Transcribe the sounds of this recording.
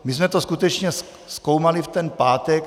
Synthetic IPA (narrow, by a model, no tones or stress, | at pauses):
mɪsmɛt̪oskut̪ɛt͡ʃɲɛs | skowmalɪft̪ɛnpaːt̪ɛk